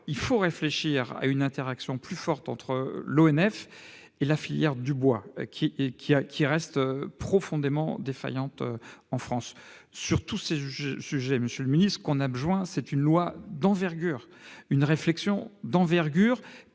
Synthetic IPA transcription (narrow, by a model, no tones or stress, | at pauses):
ilfoʁefleʃiʁa̰ynɛ̃t̪eʁaksjɔ̃plyfɔʁt̪ɑ̃t̪χəloɛnɛf | elafiljɛʁd̪ybwa̰kʲʰikʲiakʲʰiʁɛst̪øpχɔfɔ̃d̪emɑ̰̃d̪efa̰jɑ̃t̪ø̰ɑ̃fχɑ̃sː | yʁt̪useyʒɛsyʒɛməsjøləminist̪səkɔ̃nabʒwɛ̃sɛt̪ynlwad̪ɑ̃vɛʁɡʲyːʁ | ynʁeflɛksjɔ̃d̪ɑ̃vɛʁɡʲyːʁ